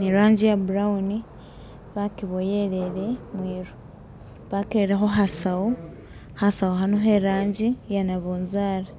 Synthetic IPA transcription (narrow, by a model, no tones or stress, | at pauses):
niɾaːɲɟijabuɾauni | βakiβojeɾe̞ɾemwiːɾo | βakiɾeɾexo̞ɦasawo | hasaoɦanoɦeɾaːɲɟijanaβoːnzaːɾa